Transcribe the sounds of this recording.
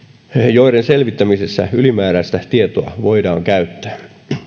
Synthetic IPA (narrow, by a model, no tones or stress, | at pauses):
joiɾenselʋit̪ːæmisesːæ̰ylimæːɾæst̪æt̪iet̪oɑ̰ʋoidɑ̰ːŋkæyt̪ːæ̥ː